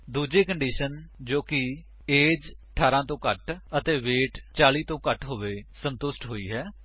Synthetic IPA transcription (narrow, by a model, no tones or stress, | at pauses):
d̪uːd͡ʒeːkəɳɖiːʃənd͡ʒoːkɪ | eːd͡ʒʈʰaːɾãːt̪õːkəʈət̪eːʋeːʈt͡ʃaːliːt̪õːkəʈɦoːʋeːsənt̪ʊsʈɦoːiːɦɛː